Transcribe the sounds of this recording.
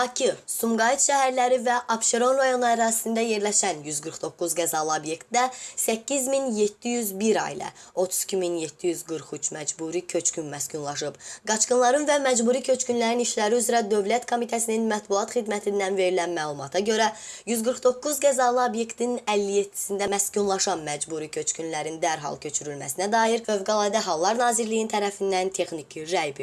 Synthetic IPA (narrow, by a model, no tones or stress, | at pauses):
ɑcʰisumɡɑit̪ʃæhæɾlæɾivæʔɑpʃeɾo̞nɾɑjo̞nuæɾɑːsi̥sind̪æje̞ɾlæʃænjyzɡɯɾχd̪o̞kːuzɡæzɑlˠɯobje̞kt̪̚d̪æsæcːizminje̞t̪ʰːijyzbiɾɑ̰ḭlˠæ̰o̞t̪ʰu̥z̥i̥cʰiminje̞t̪ʰːijyzɡɯɾχyt͡ʃʰmæd͡ʒbuːɾicʰø̞t͡ʃcʰynmæscynlˠɑʃ̬ɯbɡɑt͡ʃqɯnlˠɑɾɯnvæmæd͡ʒbuːɾicʰø̞t͡ʃcynlæɾiniʃlæɾiyzɾæd̪ø̞vlæt̪kʰo̞mit̪ʰæsininmæt̪buɑt̪χid̪mæt̪ʰind̪ænve̞ɾilænmæːlˠumɑt̪ʰɑɟø̞ɾæjyzɡɯɾχd̪o̞kːuzɡæzɑlˠɯobje̞kt̪ʰininælːijet̪ʰːi̥sind̪æmæscunlˠɑʃɑnmæd͡ʒbuɾicʰø̞t͡ʃcʰynlæɾind̪æɾɦɑ̰lˠcʰø̞t͡ʃʰyɾylmæ̰sinæd̪ɑːjiɾfø̞vɡɑlˠɑːd̪æɦɑlˠːɑɾnɑːziɾlijint̪ʰæɾæfind̪ænt̪ʰe̞xnicʰiɾæjbi